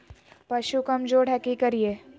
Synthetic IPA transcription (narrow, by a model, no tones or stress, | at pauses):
pɐʃukɐmd͡ʒoːɽ̤ɛkikɐɾieː